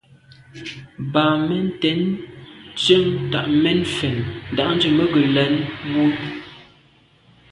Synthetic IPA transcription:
ba˨mɛ˦n˦tɛ˨˦n | t͡ʃə˦mta˨ʔmɛ˦nfɛ˨nn˨da˨ʔn̩˦d͡ʒə˨mə˦ɡə˨lɛ˨˦nwu˦

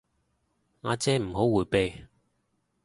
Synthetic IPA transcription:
ŋaː˨˧t͡sɛː˥m̩˨˩ɦo˨˥wːuː˨˩jpe˧j

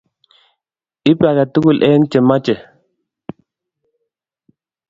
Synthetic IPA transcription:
i˦pa˨ka˨tu˦ku˦˨lʔɛː˦ŋ˦t͡ʃe˨ma˦t͡ʃɛ˨

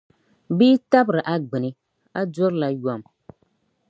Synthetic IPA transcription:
biː˦ta˦bɾɨ˨ʔa˦ɡ͡bɨ˨nɨ˦ | a˦do˦ɾla˦ja˨m

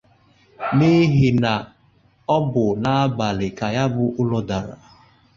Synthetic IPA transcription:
ni˦ɦi˨na˨ | ɔ˦bʊ˨na˨a˦ba˨lɪ˨ka˨ja˦bʊ˦ʔʊ˦lɔ˦da˨ɾa̰˨

